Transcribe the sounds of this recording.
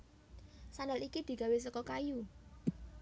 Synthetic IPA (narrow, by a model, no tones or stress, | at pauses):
sanəlikid̪̥i̤ɡ̥ä̤wesəkɔkaju